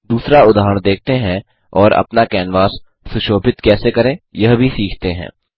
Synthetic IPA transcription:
d̪uːsɾaʊd̪aːɦəɽ̃ɳ̃d̪eːk̚ʰt̪eɦɛ̃ | ɔːɾɐ̰pnakɛːnʋaːs | sʊʃoːpɪt̪kɛːsekɐɾẽjɐɦbʱisiːkʰt̪eɦɛ̰̃ː

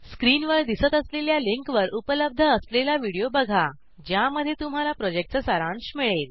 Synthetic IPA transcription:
skɾiːnʋəɾd̪isət̪əsleljaliŋkʋəɾʔupələb̚d̪ʱəːslelaʋiɽijobəɡʱa | d͡ʑjaməd̪ʱːjet̪um̤alapɾɔd͡ʑek̚ʈ̚t͡səsəɾãnɕmiɭel

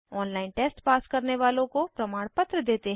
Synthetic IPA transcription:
ɔːnlaːɪnʈeːsʈpaːskɐɾneʋaːlõkopɾɐmaːɽ̃pɐt̪ɾəd̪eːt̪eɦ

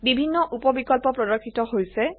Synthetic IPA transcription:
bibʱinːɔʔupɔbikɔlpɔpɹɔdɔkʰːitɔɦojsɛ

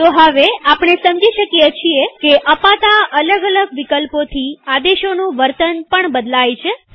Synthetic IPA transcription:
t̪oɦəʋeapɳ̃esəmd͡ʒiʃəkjet͡ʃʰiekeʔəpat̪aələɡələɡʋikəlpot̪ʰiad̪eʃonũʋəɾt̪ənpəɳbəd̪lajt͡ʃʰe

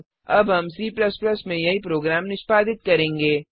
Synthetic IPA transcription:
ɐ̰bɦɐmsiːplɐsplɐsmẽjɐɦipɾoːɡɾaːmnɪʃpaːd̪ɪt̪̚kɐɾẽːŋɡeː

